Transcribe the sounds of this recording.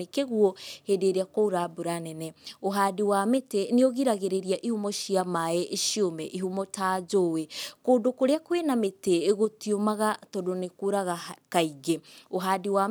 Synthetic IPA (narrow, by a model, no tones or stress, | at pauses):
ekeɣuɔhedeɾeakouɾaboɾanɛnɛoɦaːdiwameteneoɣiɾaɣeɾeɾiaʔihumɔʃiamaeʔʃiomɛʔiɦumɔtaːd͡ʒowekoːdokoɾeakwenameteːɣotiomaɣatɔdonekoɾaɣakaiɡeoɦaːdiwa